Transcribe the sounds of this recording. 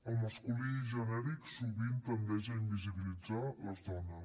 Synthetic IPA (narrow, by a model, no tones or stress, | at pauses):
əlˠməskuliːʒənɛɾiksuβint̪ənd̪ɛʒəimbiziβilid͡zaləzd̪ɔnə